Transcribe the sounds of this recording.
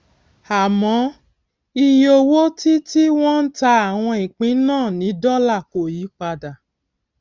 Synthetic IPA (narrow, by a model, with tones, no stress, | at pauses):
a˨mɔ̃˨˦ | i˧jo˧wo˦ti˦ti˦w̃ɔ̃˦n̩˦ta˧a˨w̃ɔ̃˧ĩ˨k͡pĩ˨˦nãː˦˨nĩ˨˦dɔ˦la˦˨ko˨ji˨˦k͡pa˧da˨